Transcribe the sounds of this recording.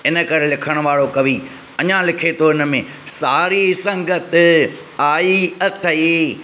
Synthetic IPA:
ɪnə̆kɐɾelɪkʰəɽ̃ʋaːɽokɐʋiː | ɐɲãlɪkʰet̪oːɪnə̆mẽ | saːɾisɐ̃ŋɡət̪ | aːiɐt̪ʰɐi

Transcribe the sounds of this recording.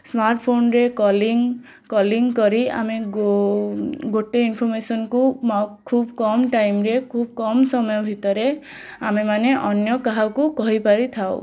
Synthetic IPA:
smaɾʈʰpʰonɾekɔliŋ | kɔliŋkɔɾia̰me | ɡoʈeinpʰɔɾmesɔnkumawkʰubkɔmʈajmɾekʰubkɔmsɔmɔjɔbʱit̪ɔɾe | amemaneʔɔnjɔkaɦakukɔɦipaɾit̪ʰaw

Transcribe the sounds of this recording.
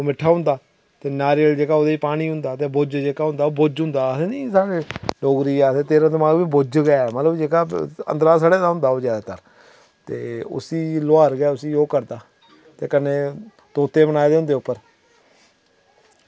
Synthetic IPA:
mɪʈʰːaːɦʊ̃nd̪aː | t̪eːnaːɾeːld͡ʒeːkaːoːd̪eːiːpaːɽ̃iːɦʊ̃nd̪aːt̪eːbod͡ʒd͡ʒeːkaːɦʊ̃nd̪aːoːbʊd͡ʒɦʊ̃nd̪aːleːnĩːsaːɽeːloːɡɾiːaːt̪eːt̪eːɾãd̪ɪmaːɡʋiːbʊd͡ʒɡɛɛːmət̪ləbd͡ʒeːkaːə̰̃nd̪ɾaːs̬aɽeːd̪aːɦʊ̃nd̪aːoːzjaːd̪aːt̪əɾ | t̪ḛːʊ̰siːloaːɾɡɛːʊsiːoːkəɾd̪aː | t̪eːkəneː | t̪oːt̪eːbənaːed̪eːʊ̃nd̪eːʊpːəɾ

